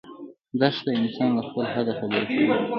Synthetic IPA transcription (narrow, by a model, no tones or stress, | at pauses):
d̪aʃd̪əɪnsɑnlaxpəlɦad̪afabəɾaʃəwi